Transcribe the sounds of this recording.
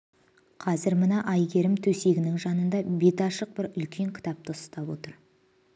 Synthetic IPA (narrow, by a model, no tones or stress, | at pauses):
qʰɑzɪɾmənɑʔɑjɡʲe̞ɾɪmt̪ʰɵse̞ɡʲɪnɪŋʒɑnənd̪ɑbe̞t̪ɑʃəq̚bɪɾʏlkʲʰe̞ŋkʲʰɪ̥t̪ɑp̚t̪əʊst̪ɑpwo̞̰t̪əɾ